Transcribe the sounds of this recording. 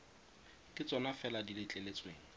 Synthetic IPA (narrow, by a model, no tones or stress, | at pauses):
kʼɪt͡sʼɔnafɛladilɪt͡ɬʼelet͡sʼweːŋ̩